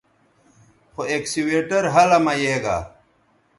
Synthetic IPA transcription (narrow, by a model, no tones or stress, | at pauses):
xoeːksiweːʈɐɾɦɐlɐmɐjeːɡa̰ː